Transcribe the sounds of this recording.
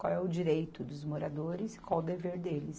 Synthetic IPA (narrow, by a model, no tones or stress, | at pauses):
kwawɛʊd͡ʒiɾejt̪ʊd̪ʊzmoɾad̪oɾɪzɪ̥kwawʊd̪eveɾd̪elɪs